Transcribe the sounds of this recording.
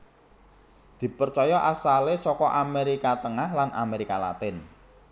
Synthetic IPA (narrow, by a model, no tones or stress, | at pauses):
d̪̥i̤pərt͡ʃɔjɔʔasalesɔkɔʔameɾikat̪əŋahlanʔa̰meɾikala̰t̪ɪn